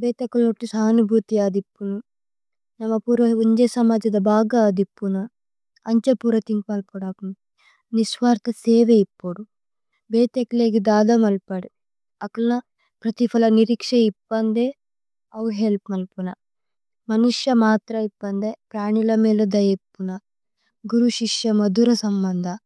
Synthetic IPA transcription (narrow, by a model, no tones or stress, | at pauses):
bɛːt̪ɐkulnoʈːisaːnubʱut̪iaːd̪ipːunu | nɐmɐpuːɾʋɐuɲd͡ʒesɐmaːd͡ʒɐd̪ɐbaːɡaːd̪ipːunu | ɐɲt͡ʃɐpuːɾɐt̪iŋkmɐlpuɽɐp | nisʋaːɾt̪ʰɐseːʋeipːuɽu | bɛːt̪ekleːɡid̪aːd̪ɐmɐlpɐɽi | ɐklnɐ | pɾɐt̪ipʰɐlɐniɾikʂɐibːɐnd̪e | ɐwɦelpmɐlpunɐ | mɐnuʂjɐmaːt̪ɾɐibːɐnd̪eːpɾaːnilɐmiːlɐd̪ɐjɐpːunɐ | ɡuɾuʃiʂjɐmɐd̪uɾɐsɐmbɐnd̪ʱɐ